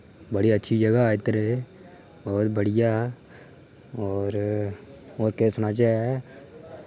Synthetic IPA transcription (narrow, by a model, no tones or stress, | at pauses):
bɐɽiɐtːʃʰid͡ʒɐɡaaːit̪ɾe | ɔːɾbəɽɪja | ɔːɾ | oːɾkeːsʊnat͡ʃa